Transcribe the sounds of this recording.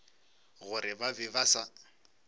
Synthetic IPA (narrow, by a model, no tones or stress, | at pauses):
ɣʊɾɪbabɪbasa